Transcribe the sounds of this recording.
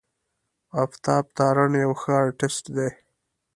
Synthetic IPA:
aft̪ɑːb̚t̪ɑːɾanjawxəɑɾʈɪsʈd̪e

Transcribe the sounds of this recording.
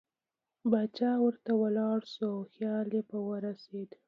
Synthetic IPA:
bat͡ʃɑwəɾt̪awəlɑɽsuawxjɑlebawəɾased̪

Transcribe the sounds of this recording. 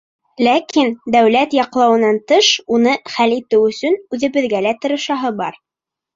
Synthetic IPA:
lækind̪æwlæt̪jɑqlˠɑwɤ̆nɑnt̪ɤʃunɤχælit̪ɘwɵ̆sɵnʉðɘ̆βɘ̆ðɡælæt̪ɤ̆ɾɤ̆ʃɑɦɤbɑ̰ɾ

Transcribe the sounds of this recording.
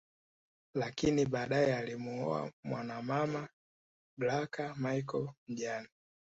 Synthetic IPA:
lakiniɓaːɗaɛalimuɔ̰a̰mwanamama | ɡlakamaikɔlm̩ʄana

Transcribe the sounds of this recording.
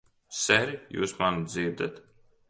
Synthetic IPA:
sɛɾijṵːsmand̪ziːɾd̪at̪

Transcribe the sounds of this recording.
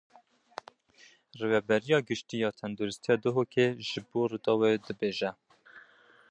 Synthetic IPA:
reːvɛbɛɾijɑːɡɨʃt̪iːjɑːt̪ʰɛnd̪oɾɨst̪ʰijɑːd̪ɨɦoːkʰeʒɨboːrud̪ɑːwed̪ɨbeːʒɛ

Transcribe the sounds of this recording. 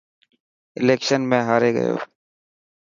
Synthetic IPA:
ɪleːkʃənmẽːɦaːɾeːɡə̰jo̰ː

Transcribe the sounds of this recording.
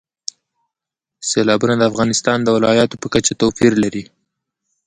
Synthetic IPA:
selɑbunad̪əafɣɑnɪst̪ɑnd̪əwɪlɑjɑt̪opəkat͡ʃat̪ofiɾlaɾi

